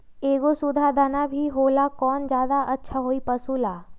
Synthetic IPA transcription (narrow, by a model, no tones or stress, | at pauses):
eːɡosʊd̪ʱad̪anabʱiɦoːlakɔːnd͡ʒjaːd̪aʔɐtːʃʰaɦoːipɐsuːlaː